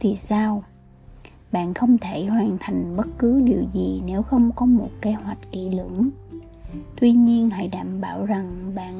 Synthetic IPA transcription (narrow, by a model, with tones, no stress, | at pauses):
t̪ʰi˨˩saː˧w | ɓa̰ː˧˨nxə˧wŋ͡mt̪ʰe˧˩hwaː˨˩nt̪ʰa˨˩jŋ̟ɓə˦˥t̚kɨ˨˦ɗi˨˩əwzi˨˩ne˨˦wxə˧wŋ͡mkɔ˨˦mo˨˩t̚ke˨˦hwa˨˩jk̟̚kḭ˧˩lɨ̰˧˩˥ŋ | t̪wi˧ɲi˧ənɦa̰˧˩jɗaː˧˩˨mɓaː˧˩wza˨˩ŋɓa̰ː˧˨n